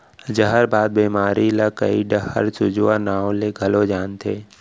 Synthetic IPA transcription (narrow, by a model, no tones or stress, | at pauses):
d͡ʒəɦəɾbaːd̪̚biːmaːɾilakə̰iɖəhə̰ɾt͡ʃʊd͡ʒwanaːõleɡʱɐlod͡ʒaːnt̪ʰeː